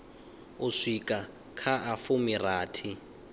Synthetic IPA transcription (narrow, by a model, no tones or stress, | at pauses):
ʊʂikʼa | kʰaʔafʊmiraːtʰi